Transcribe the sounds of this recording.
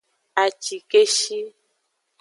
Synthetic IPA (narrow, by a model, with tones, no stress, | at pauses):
a˨t͡ʃi˨ke˦ʃi˦